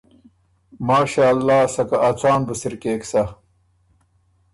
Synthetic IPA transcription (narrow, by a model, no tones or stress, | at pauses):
maːɕaːlːaːsɐkɐʔːt͡saːnbusiɾkeːksɐ